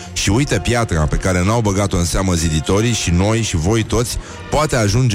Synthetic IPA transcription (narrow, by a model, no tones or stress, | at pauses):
ʃiujt̪əpjat̪ɾape̞kaɾe̞nawbəɡat̪o̞ɨnseaməzid̪it̪o̞ɾiʃino̞jʃivo̞jt̪o̞t̪sʲ | poat̪e̞aʒund͡ʒ